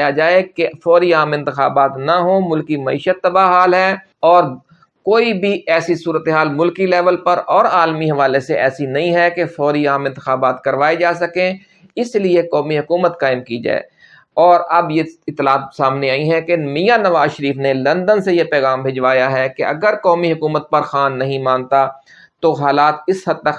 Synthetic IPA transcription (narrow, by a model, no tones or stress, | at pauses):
jad͡ʒaːekefɔːɾiaːmɪ̃nt̪ɪxa̰ːbaːt̪naɦoːmʊlkimɐḭːʃət̪ːɐbaɦaːlɦɛː | ɔːɾ | koːibʱiɛːsisuːɾət̪eɦaːlmʊlkilɛːʋəlpɐɾɔːɾaːlmiɦɐʋaːleseʔɛːsinɐɦĩɦɛkefɔːɾiaːmɪ̃nt̪ɪxaːbaːt̪kɐɾʋaːed͡ʒaːsɐkẽ | ɪsliekɔːmiɦʊkuːmət̪kaːɪmkid͡ʒa̰ːḛ | ɔːɾɐbjeɪt̪ːɪlaːt̪̚saːmneaːĩɦɛ̃kemijanɐʋaːzʃəɾiːfnelɐ̃nd̪ənsejepɛːɣaːmbʱed͡ʒʋaːjaɦɛkeʔɐ̰ɡəɾkɔːmiɦʊkuːmət̪̚pɐɾxaːnːɐɦĩmãːnt̪a | t̪oɦaːlaːt̪̚ɪshɐd̪t̪ːək